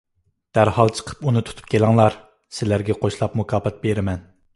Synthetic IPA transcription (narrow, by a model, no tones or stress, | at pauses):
d̪̥æɾhɑlˠt͡ʃʰə̥qʰə̥punɨt̪ʰu̥t̪ʰu̥p̚kʲʰelɑŋlˠɑɾ | sɪlæɾɡʲɛqʰoʃlˠɑpmukʰɑːpɛt̪̚beɾɪmɛn